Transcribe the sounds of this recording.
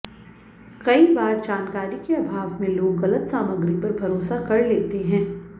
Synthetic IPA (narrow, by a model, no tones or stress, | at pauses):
kɐibaːɾd͡ʒaːnkaːɾikeabʱaːʋmẽloːɡɣɐlət̪saːməɡɾipɐɾbʱɐɾoːsakɐɾleːt̪eɦɛ̃ː